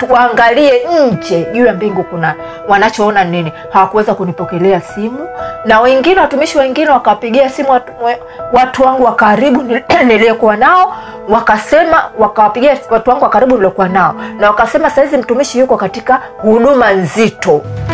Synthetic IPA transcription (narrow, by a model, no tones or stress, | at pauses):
waːŋɡaliɛɲ̩d͡ʒɛʄujambiŋɡukunani | wanat͡ʃɔɔnanini | hawakuwɛzakunipɔkɛlɛasimunawɛŋɡinɛwatumiʃiwɛŋɡinɛwakawapiɠiasimua | watuwaŋɡuwakaɾiɓunilijɔkuwanaɔ | wakasɛmawakawapiɡiawatuwaŋɡuwakaɾiɓuniliɔkuwanaɔnawakasɛmasahizim̩tumiʃijukɔkatika | huɗumanzitɔ